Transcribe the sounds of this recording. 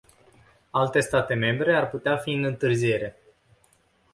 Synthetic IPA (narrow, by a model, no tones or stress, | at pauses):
alt̪e̞st̪at̪e̞me̞mbɾe̞arput̪eafiɨnɨnt̪ɨrzie̞ɾe̞